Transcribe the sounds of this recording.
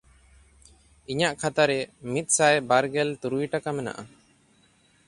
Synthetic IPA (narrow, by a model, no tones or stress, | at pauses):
iɲaʔkʰat̪aɾɛmit̪̚ˀsajbaɾɡɛlt̪uɾujʈakamɛna̰ʔa